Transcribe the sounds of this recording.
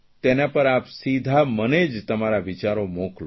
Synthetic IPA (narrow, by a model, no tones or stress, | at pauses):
t̪enapəɾapsid̪ʱaməned͡ʒt̪əmaɾaʋit͡ʃaɾomokl